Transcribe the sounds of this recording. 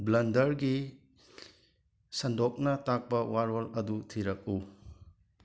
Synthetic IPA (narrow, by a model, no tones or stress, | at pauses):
blɐndɐɾɡi | sɐndɔk̚nɐtak̚bɐwaɾolɐdutʰiɾɐk̚u